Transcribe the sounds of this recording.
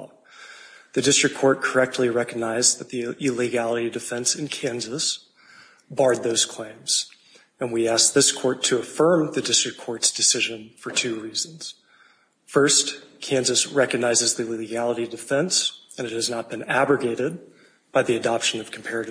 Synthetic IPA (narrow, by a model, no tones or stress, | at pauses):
ðɨdɪstɹ̥ɨkʰɔɹt̚kʰə˞ɛk̚tʰˡliɹɛkɨɡ̚naɪzðɨt̪̚ðiɪliɡælˠəɾidɨfɛ̃nsɨ̃nkʰæ̃nzɨs | bɑɹd̪̚ðoʊz̥kʰl̥ẽɪ̃mz̥ | ɨ̃nwiæsk̚ðɪskʰɔɹtʰɨːfɜ̃˞mðɨdɪstɹ̥ɨkʰːɔɹtsd̥ɨsɪʒɨ̃nfə˞tʰʉɹiz̃n̩z̥ | fɜ˞stkʰæ̃nzɨsɹɛkɨɡ̚naɪzɨzðɨliliɡælˠəɾidɨfɛ̃ns | ɨ̃nɨt̚hɨznət̚b̥ɨ̃næbɹɨɡeɪɾɪd̚ | b̥aɪðiɨdɑpʃɨ̃nʌv̥kʰm̩pʰɛɹɨɾ